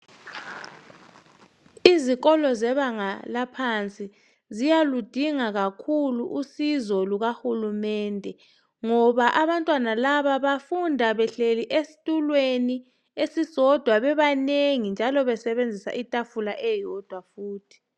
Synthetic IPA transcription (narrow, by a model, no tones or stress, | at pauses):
iziɣɔlɔzɛβaŋalapʰant͡sʼi | zijalud̥ʱiŋaɣakʰuluʔusizɔluɣaxulumɛːndʱɛ | ŋɔβaʔaβantʼwanalaβaβafundʱaβɛɬeliʔesi̥tʼulweni | esisɔd̥ʱwaβɛβaneŋind͡ʒʱalɔβɛsɛβend͡zʱisa̰ʔitʼafulaʔɛjɔd̥ʱwafuːtʰi̥